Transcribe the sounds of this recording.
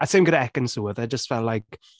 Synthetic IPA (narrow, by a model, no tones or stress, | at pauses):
asʰemɡədɛkə̃nsuːəðed͡ʒəstvɛlajk